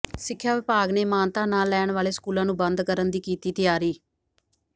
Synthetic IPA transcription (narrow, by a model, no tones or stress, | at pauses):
sɪkʰːjaːʋɪpaːɡneːmaːnt̪aːnaːlːɛːɳʋaːleːskuːlãːnũːbə̃nd̪kəɾənd̪iːkiːt̪iːt̪ɪjaːɾiː